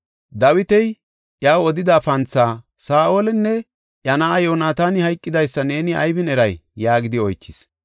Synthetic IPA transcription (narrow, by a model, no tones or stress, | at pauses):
d̪ɐwɪt̪ɛj | ʔjaːwɔd̪ɪd̪aːfɐnt͡sːaː | saːʔoːlɛnːɛ | ʔjɐnaɐjoːnaːt̪aːnɪhɐjkʼːɪd̪ɐjsːɐne̞ːnɪɐ̰jbɪnɛɾɐjːaːɡɪd̪ɪɔjt͡ʃːɪs